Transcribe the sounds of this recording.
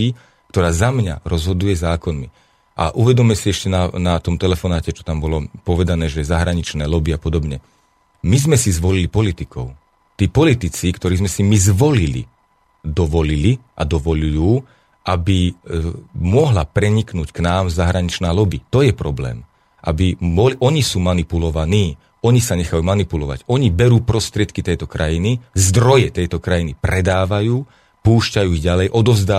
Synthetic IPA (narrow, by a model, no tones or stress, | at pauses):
i | k̚t̪ɔɾaːzamɲa̰ɾɔzɦɔd̪ujɛzaːkɔnmi | ʔa̰ʔuʋɛd̪ɔmɛsiɛʃcɛnanat̪ɔmt̪ɛlɛfɔnaːcɛt͡ʃɔ̥t̪ambɔlɔpɔʋɛd̪anɛːʒɛzaɦɾaɲit͡ʃnɛːlɔbiapɔd̪ɔbɲɛ | mizmɛsizʋɔlilipɔlit̪ikɔʊ | t̪iːpɔlit̪it͡sikt̪ɔɾiːzmɛsimizʋɔlilḭ | d̪ɔʋɔliliʔad̪ɔʋɔʎujuː | ʔabi | mʊɔɦlapɾɛɲiknuːcknaːmzaɦɾaɲit͡ʃnaːlɔbit̪ɔjɛpɾɔblɛ̰ːm | ʔabiɔlʔɔɲisuːmanipulɔʋaniː | ɔɲisaɲɛxajuːmanipulɔʋa̰ɟɔɲibɛɾuːpɾɔst̪ɾɪɛt̪̚kit̪ɛjt̪ɔkɾʔajinizd̪ɾɔjɛt̪ɛjt̪ɔkɾajinipɾɛd̪aːʋajuː | puːʃcajuːiɣɟalɛjʔɔd̪ɔvzd̪aː